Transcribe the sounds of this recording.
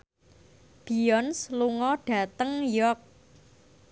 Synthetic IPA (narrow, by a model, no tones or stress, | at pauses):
b̥i̤ɔnsluŋɔɖ̥ä̤t̪əŋjɔk̚